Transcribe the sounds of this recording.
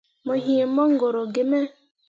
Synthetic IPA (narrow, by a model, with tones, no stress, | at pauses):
mo˨ɦi˨e˨˦mɔ˦ŋ̩˦ɡo˨ɾo˨ɡe˨me˦